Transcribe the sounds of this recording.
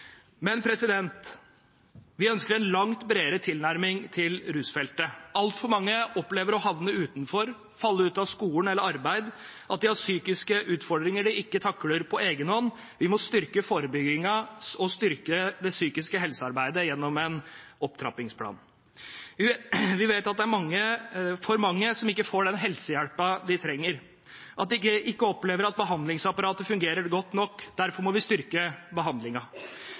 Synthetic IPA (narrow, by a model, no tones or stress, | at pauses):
mɛnpʰɾɛsɪd̪ɛnt̪ | ʋɪœnskəɾɛnlɑŋt̪bɾeːɾət̪ʰɪlnæɾmɪŋt̪ʰɪlɾʉːsfɛlt̪əɑlt̪fɔɾmɑŋːəʔɔpleːʋəɾɔhɑʋnəʉːt̪nfɔɾ | fɑlːəʉːt̪ɑʋskuːənɛlːəɾɑɾbæɪd̪ʔɑt̪̚d̪ɪhɑɾsyːkɪskəʔʉːt̪fɔɖɾɪŋəɖɪɪkːət̪ʰɑkːɽəɾpʰɔeːɡənɔnː | ʋɪmɔst̪ʏɾkəfoːɾəbʏɡɪŋɑɔst̪ʏɾkəd̪ɛsyːkɪskəɦɛlsəɑɾbæɪd̪əjɛnːɔmɛnɔp̚t̪ʰɾɑ̰pɪŋspʰlɑ̰ːn | ɪʋɪʋeɪt̪ɑt̪̚d̪ɛæɾmɑŋːəfɔɾmɑŋːəsɔmɪkːəfoːɖɛnɦɛlsəjæɽpɑd̪ɪt̪ʰɾɛŋːəɾ | ʔɑt̪̚d̪ɪkːəʔɪkːəɔpleːʋəɾɑt̪̚bəɦɑnd̪lɪŋsɑpɑɾɑːt̪əfʉŋɡeːɾəɾɡɔt̪ːnɔkːd̪̥æɾfɔɾmɔʋɪst̪ʏɾkəbəɦɑnd̪lɪŋɑ